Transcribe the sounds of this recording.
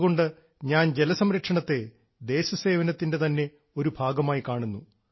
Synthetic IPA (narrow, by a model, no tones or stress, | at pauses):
ɣo̞ɳɖɨ | ɲaːnd͡ʑe̞lɐsɐmɾɐkʂɐɳɐt̪ːe̞ | d̪e̞ːɕɐse̞ːʋɐnɐt̪ːinde̞t̪ɐnːe̞ | o̞ɾubʱaːɡɐmaːjikaːɳunːu